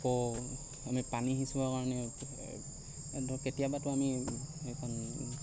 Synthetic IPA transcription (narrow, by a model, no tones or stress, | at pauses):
kɔ | amipaniɦisubakaɹɔnɛ | ɔketijabatʊamiejkʰɔn